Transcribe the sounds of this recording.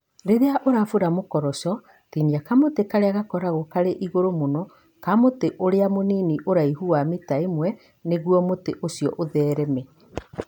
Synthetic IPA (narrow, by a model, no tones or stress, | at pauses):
ɾeɾeaʔoɾafoɾamokɔɾɔsɔ | tiniakamotekaɾeaɣakɔɾaɣokaɾeʔiɣoɾomonɔ | kamoteʔoɾeamoniːniʔoɾaiɦuametaemwɛ | neɣwɔmoteʔosiɔ̰ʔoðɛːɾɛmɛ